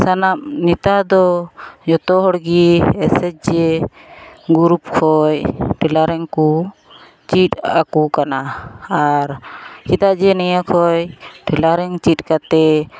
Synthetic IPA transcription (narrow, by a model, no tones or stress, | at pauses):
sanamnit̪ad̪ɔd͡ʒɔt̪ɔɦɔɽɡiɛsɛt͡ʃ̚d͡ʒɛ | ɡuɾup̚kʰɔjʈɛlaɾɛŋku | t͡ʃit̪akukanaaɾkid̪aʔd͡ʒɛnɛjakʰɔjʈɛlaɾɛŋt͡ʃit̚kat̪ɛ